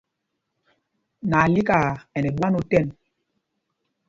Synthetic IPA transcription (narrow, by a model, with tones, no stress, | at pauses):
na˨li˦ka˨ɛ˨nɛ˨ɓa˦no˨tɛ˦˨n